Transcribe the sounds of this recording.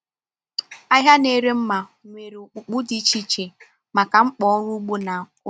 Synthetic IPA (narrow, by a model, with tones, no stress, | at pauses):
a˦ɦja˦ne˦ɾe˦m̩˦ma˨ŋʷe˨ɾe˨k͡pu˨k͡pu˦di˦t͡ʃi˦t͡ʃe˨ | ma˨ka˨ŋ͡m̩˦k͡pɔ˦ɔ˦ɾʊ˦ɡ͡bu˦na˨˦